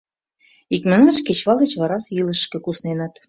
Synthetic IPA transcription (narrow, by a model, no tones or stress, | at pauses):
ikmə̆ŋə̆t͡ʃket͡ɕβɑlə̆t͡ɕβɑɾɑsjilə̆ʃkɤ̆kusnenɑt̪